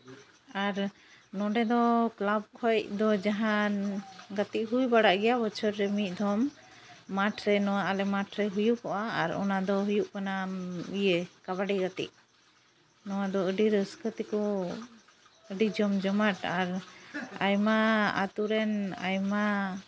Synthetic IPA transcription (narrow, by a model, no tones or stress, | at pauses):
aɾ | nɔɖɛd̪ɔklab̚kʰɔjc̚d̪ɔd͡ʒaɦanɡat̪iʔ̚ɦujbaɽaʔɡɛjabət͡ʃʰəɾːɛmit̪̚ˀd̪ʱɔmː | aʈʰɾɛnɔwaalɛmaʈʰɾɛɦujuʔkɔʔaːɾɔ̰nad̪ɔɦujuʔkanaijekabaɖiɡat̪ḭʔ̚ | nɔwad̪ɔəɖiɾəskʰət̪ikɔ | əɖid͡ʒɔmd͡ʒɔmaʈaɾa̰jmaa̰t̪uɾɛna̰jma